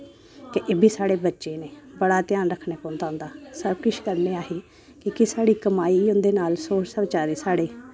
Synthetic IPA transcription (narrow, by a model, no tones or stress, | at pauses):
kɪʔeːbʱiːsaːɽeːbətːʃeːneːbəɽaːt̪ɪjaːnɾəkʰːneːpõːnd̪aːɦʊ̃nd̪aːsəbkɪʃkəɾnẽːaːɦiː | kɪkɪsaːɽiːkəmaːiːʊnd̪eːnaːlsoːʃsəbt͡ʃaːɾeːsaːɽeː